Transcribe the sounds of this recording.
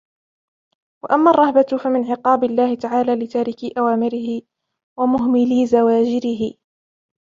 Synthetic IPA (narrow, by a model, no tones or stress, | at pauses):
waʔamːaːrˤːɑhbafamɪnʕɪqɑːbɪlːaːhɪt̪aʕaːlaːlɪt̪aːɾɪkɪʔawaːmɪɾɪhɪ | wamʊɦmɪliːzawaːd͡ʒɪɾɪɦɪ